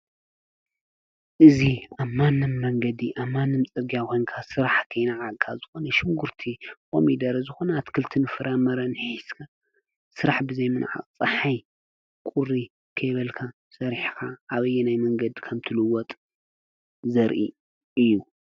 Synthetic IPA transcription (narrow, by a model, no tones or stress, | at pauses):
ʔɨziaβmanːɨmːɐŋɡɐd̪iʔaβmanːɨmt͡sʼɨɾɡijakʰo̞jnkʰasɨɾaħkʰɐjnaʕakʰazɨxonɐʃɪŋɡuɾt̪ʰikʼo̰mid̪ɐɾɐzɨxo̞nɐt̪kʰɨlt̪ʰɨnfɨɾʔamɐɾɐnħiskʰa | sɨɾaħbɨzɐjmɨnʕa̰qʼt͡sʼɐħaj | kʼʊɾi | kʰɐjβɐlkʰa | sɐɾħkʰaʔːβɐjːɛnajmɐŋɡɐd̪kʰɐmt̪ʰɨlɨwɔt̪ʼ | zɐɾʔḭ | ʔɨjːu